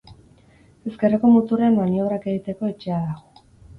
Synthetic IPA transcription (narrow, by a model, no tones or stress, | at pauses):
e̞ske̞reko̞mut̪ureanmanio̞βɾake̞ɣit̪e̞ko̞et͡ʃe̞aðaɣo